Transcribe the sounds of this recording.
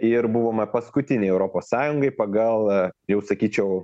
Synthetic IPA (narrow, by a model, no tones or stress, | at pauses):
ɪɾbuʋoːmɐpɐskʊt̪ʲɪnʲɛɪɛʊɾoːpoːssɑːjʊŋɡɐɪpɐɡɐlˠjɛʊsɐkʲiːt͡ʃʲɛʊ